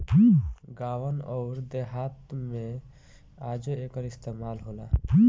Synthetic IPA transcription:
ɡawənɔʊɾd̪eɦat̪me | ad͡ʒəekəɾist̪emalɦola̰

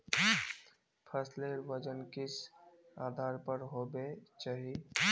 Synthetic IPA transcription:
pʰəsleɾʋəd͡ʒənkɪs | aːd̪ʱaːɾpəɾɦoːbet͡ʃaːɦie

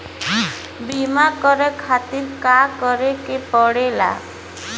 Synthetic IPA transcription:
bimakɔɾekʰat̪iɾkakɔɾekepɔɽela̰

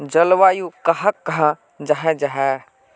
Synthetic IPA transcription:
d͡ʒəlʋaːjukəɦəkːəɦã | d͡ʒaɦɛ̃d͡ʒaɦɛ

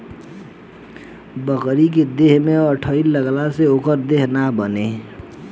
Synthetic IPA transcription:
bəkɾik̬ed̪eɦmẽəʈʰəiləɡlaseoːkəɾd̪eɦnabəne

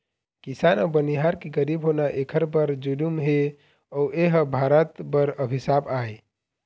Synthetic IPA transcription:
kisanɔːbəniɦaɾkeɡəɾibɦonaʔekʰəɾbəɾd͡ʒulumɦe | ɔweɦbʱaɾət̪bəɾəbʱisabae

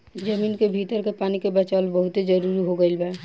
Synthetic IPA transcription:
d͡ʒɐmiːnkebʱiːt̪əɾkepaːnikebɐt͡ʃaːlbɐɦʊt̪ed͡ʒɐɾuːɾiɦoɡəelbɛ

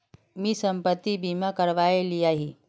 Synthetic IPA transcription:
miːsəmpət̪ːibimakəɾʋaeliaɦi

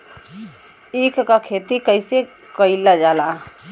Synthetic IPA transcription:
ekkakʰet̪ikəɪse | kəilad͡ʒala

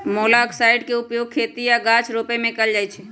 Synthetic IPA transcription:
molaksaɪɖkeupjoɡ̚kʰet̪ijaɡãt͡ʃɾopemẽkəld͡ʒajt͡ʃʰɛ

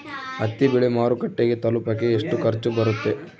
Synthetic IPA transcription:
ɐt̪ːibiɭimaːɾukɐʈːeɡet̪ɐlupɐkːeːʂʈukɐɾt͡ʃːubɐɾut̪ːe̞

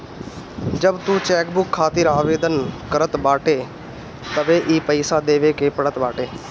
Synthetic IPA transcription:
d͡ʒəbt̪uːt͡ʃɛːkbʊkʰːaːt̪ɪɾaːʋeːd̪ənkəɾət̪baːʈeː | t̪əʋeːʔiːpəɪsaːd̪eːʋeːkeːpəɽət̪baːʈeː

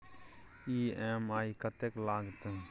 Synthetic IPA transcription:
iːemaːikət̪eklaːɡt̪

